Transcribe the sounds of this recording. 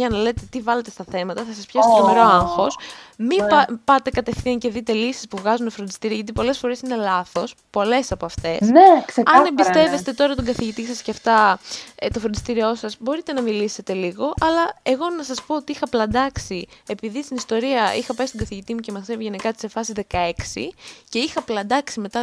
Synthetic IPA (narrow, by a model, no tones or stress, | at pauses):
ɐnɐle̞t̪e̞t̪ivɐle̞t̪est̪ɐθe̞mɐt̪ɐθɐsɐspçɐst̪omeɾo̞ɐŋxo̞smipɐt̪e̞kɐt̪e̞fθiɐɲce̞ðit̪e̞lisi̥spuvɣɐzunofɾond̪i̥st̪iɾiɐʝɐt̪ipo̞le̞sfo̞ɾe̞sine̞lɐθo̞s | po̞le̞sɐpo̞ɐft̪e̞sesɐɐnebist̪e̞vest̪e̞t̪o̞ɾɐt̪oɡɐθiʝit̪isɐsceft̪ɐt̪o̞fɾnd̪ist̪iɾio̞sɐsbo̞ɾit̪e̞nɐmilise̞t̪e̞liɣo̞ʔɐlɐe̞ɣo̞nɐsɐspo̞ot̪iixɐplɐnd̪ɐksie̞piðist̪inist̪o̞ɾiɐixɐpɐjst̪ɡɐθiʝit̪imuce̞mɐeviʝe̞nikɐt̪i̥se̞fɐsizðe̞kɐe̞ksḭce̞ixɐplɐnd̪ɐksime̞t̪ɐ